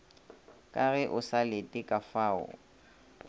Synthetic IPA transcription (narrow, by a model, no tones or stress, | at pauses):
kʼaɣɛʔʊsalɪtʼɪkʼafaːʊ̰